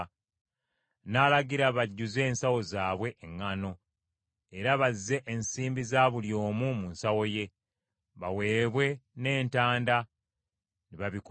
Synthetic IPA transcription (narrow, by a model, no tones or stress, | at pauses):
nalaɡiɾaβaɟːuze̞ːnsawo̞zaːβwe̞ʔːŋːano̞ | eɾaβazːe̞ʔensiːmbizaːβuljo̞ːmumunsawo̞je̞ | βawe̞ːβwe̞ne̞ːntaːnda | niβaβik